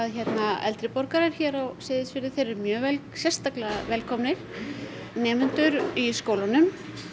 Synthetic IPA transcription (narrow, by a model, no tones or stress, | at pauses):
aðçɛt̪naɛ̰lt̪ɾɪpɔɾkaɾɛɾ̥çɛːɾɔwsɪːðɪsfɪɾɪð̥θejɾʏɾmjœːvɛlsjɛ̥st̪aklaðavɛlkʰɔmnɪɾ̥ | nɛːmʏnt̪ʏɾiskoːwlanʏm